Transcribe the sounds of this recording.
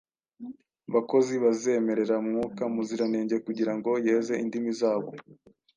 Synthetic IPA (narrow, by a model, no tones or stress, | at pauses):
βako̞ziβaze̞me̞ɾe̞ɾamŋukamuziɾane̞ːɲɟe̞kuɟiɾaŋɡo̞jeze̞ʔindimizaːβo̞̰